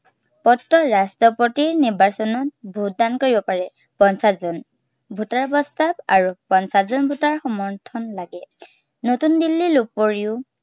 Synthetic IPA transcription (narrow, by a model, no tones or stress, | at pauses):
pɔtːɔɹastɔpɔtiɹniɹbasɔnɔt̚bʱut̚dankoɹibɔpaɹɛ | pɔnsazɔn | bʱutaɹpɔstabaɹupɔnsazɔnbʱutaɹxɔmɔɹtʰɔnlaɡɛ | notundilːilupoɹiʊ